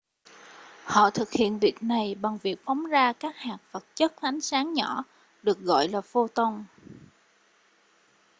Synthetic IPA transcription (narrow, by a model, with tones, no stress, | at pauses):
hɔ̰˧˨t̪ʰɨ˨˩k̚hḭ˧˨ənvi˨˩ək̚na˨˩jɓa˨˩ŋvi˨˩ək̚fɔ˨˦wŋ͡mzaː˧kaː˦˥k̚haː˨˩k̚fə˨˩t̚t͡ɕə˦˥t̚la˨˦jŋ̟saː˨˦ŋɲɔ˧˩˨ | ɗɨ˨˩ək̚ɣɔ̰˧˨jlaː˨˩fo˧t̪ə˧wŋ͡m